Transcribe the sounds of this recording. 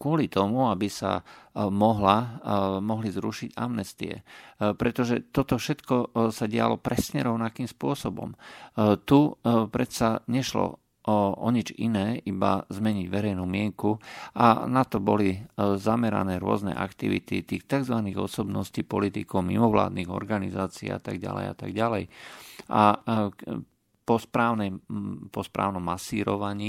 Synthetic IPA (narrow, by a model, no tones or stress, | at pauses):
kʊɔlit̪ɔmuabisa̰mɔɦlamɔɦlizɾuʃiɟa̰mnɛst̪ḭɛ̰pɾɛt̪ɔʒɛt̪ɔt̪ɔfʃɛt̪kɔsaɟɪa̰lɔpɾʔɛsɲɛɾɔʊnakiːmspʊɔsɔbɔ̰mt̪upɾɛsaɲɛʃlɔ̰ | ʔɔɲid͡ʒinɛːʔiba̰zmɛɲiɟʋɛɾɛjnumɪɛŋkuanat̪ɔbɔlizamɛɾa̰nɛːɾʊɔ̰znɛ̰ʔa̰kt̪iʋḭt̪ḭt̪iːxt̪aɡzʋaniɣɔ̰sɔbnɔsciːpɔlit̪ikɔʊmḭmɔʋla̰ːd̪niɣɔ̰ɾɡanizaːt͡siːa̰t̪aɡɟa̰lɛ̰ja̰t̪a̰ɡɟalɛjʔa | pɔspɾaːʊnɛjpɔspɾa̰ːʊnɔmːasiːɾɔʋaɲiː